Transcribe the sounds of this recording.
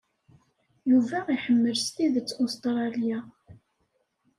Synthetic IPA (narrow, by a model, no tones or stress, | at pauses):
juvæiħəmːəlst̪iðət͡sːost̪ɾˤɑlja